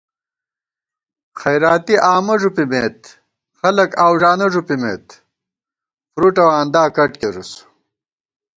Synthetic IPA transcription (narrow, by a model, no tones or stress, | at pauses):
xɐjɾaːt̪iʔaːmɐʐupimeːt̪̚ | xɐlɐkaːwʐaːnɐʐupimḛːt̪ | pɾuʈɐwaːnd̪aːkɐʈkeɾus